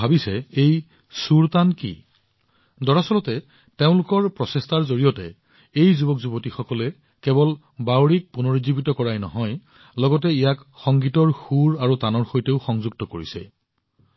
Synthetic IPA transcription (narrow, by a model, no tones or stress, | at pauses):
abisɛej | suɹtankḭ | dɔɹasɔlɔtɛ | teʊ̃lʊkɔɹpɹɔsestaɹzoɹijɔtɛ | ejzubɔkzubɔtixɔkɔlɛ | kɛbɔl | bawɹik̚punoɹizibitɔkɔɹajnɔ̰ɦɔj | lɔɡɔt̬ɛijakxɔŋɡitɔɹxuɹaɹutanɔɹxojteʊxɔŋzuɡ̚tɔkoɹḭsɛ̰